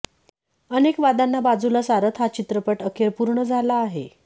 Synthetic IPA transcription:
ənekʋad̪anːabad͡zulasaɾət̪ʰɦat͡ɕit̪ɾəpəʈəkʰeɾpuɾɳəd͡zʱalaːɦḛ

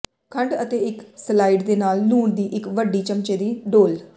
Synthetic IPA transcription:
kʰəɳɖət̪eːɪkslaːiːɖd̪eːnaːlnuːɳd̪iːʔɪkʋəɖːiːt͡ʃəmt͡ʃeːd̪iːɖoːl

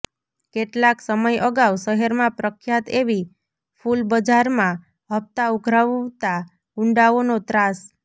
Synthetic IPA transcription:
keʈlaksəməjəɡawʃəɦɛɾmãpɾəkʰjat̪eʋi | fʰulbəd͡ʒaɾmã | ɦəpt̪auɡʱɾaʋt̪a | ʊɳɖaonot̪ɾas

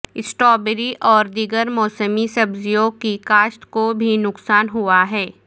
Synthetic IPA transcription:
ɪsʈɔːbeɾiʔʔɔːɾd̪iːɡəɾmɔːsəmisɐbzijõɡkikaːʃʈ̪kobʱinʊksaːnɦuaɦɛː

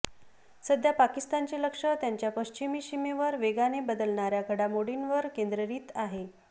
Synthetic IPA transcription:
səd̪ʱjapakist̪ant͡ɕeləkʂət̪jaɲt͡ɕjapəɕt͡ɕimiːɕimeʋəɾʋeɡanebəd̪əlɳaɾjakʰəɽamoɽinʋəɾkend̪ɾəɾiːt̪aɦe

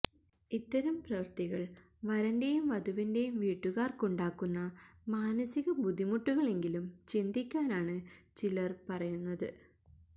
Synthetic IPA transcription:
it̪ːɐɾɐmprɐʋɐrt̪iɣɐɭ | ʋɐɾɐnde̞jumʋɐd̪ʱuʋinde̞jumʋiːʈːuɣaːrkoɳɖaːkːunːɐmaːnɐsiɣɐbud̪ʱimuʈːuɣɐɭe̞ŋɡilumt͡ɕind̪ikʲːaːnaːɳɨt͡ɕilɐrpɐrɐjunːɐðɨ

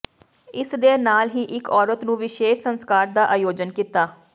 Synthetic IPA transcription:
ɪsd̪eːnaːlɦiːʔɪkɔːɾət̪nũːʋɪʃeːʃsənskaːɾd̪aːʔaːjoːd͡ʒənkiːt̪aː

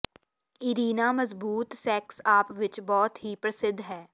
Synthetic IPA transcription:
iɾiːnaːmɐzbuːt̪sɛːksaːpʋɪt͡ʃbɔːt̪ɦipɾɐsɪd̪ʱːɦɛː

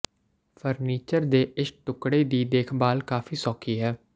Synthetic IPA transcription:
pʰəɾniːt͡ʃəɾd̪eːʔɪsʈʊkɽeːd̪iːd̪eːkʰbaːlkaːfʰiːsɔːkʰiːɦɛː

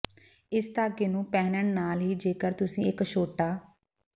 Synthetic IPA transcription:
ɪst̪aːɡeːnũːpɛːnəɳnaːlɦiːd͡ʒeːkəɾt̪ʊsĩːɪkʃoːʈːaː

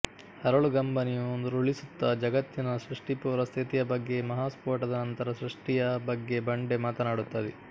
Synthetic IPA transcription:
hɐɾɐɭuɡɐmbɐnijuond̪uɾuɭisut̪ːɐd͡ʒɐɡɐt̪jinɐsɾuʂʈipuːɾɐst̪ʰit̪ijɐbɐɡːe̞mɐɦaːspoːɾʈɐd̪ɐnɐnt̪ɐɾɐsɾuʂʈijɐbɐɡːe̞bɐɳɖe̞maːt̪ɐnaːɽut̪ːɐd̪i

